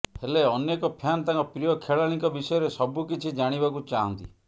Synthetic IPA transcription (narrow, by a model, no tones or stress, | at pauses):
heleɔnjekɔpʰjanɔt̪aŋkɔpɾijɔkʰeɭaɽ̃ikɔbisɔjɔɾesɔbukit͡ʃʰid͡ʒaɽ̃ibakut͡ʃaɦɔnt̪ḭ